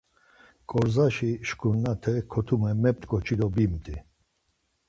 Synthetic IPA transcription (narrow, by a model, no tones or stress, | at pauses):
kʼɔɾzaʃiʃkʰʼunːat̪ʰɛkʰɔt̪ʰumɛmɛp̚t̪kʼɔt͡ʃʰid̪ɔbimt̪ʼi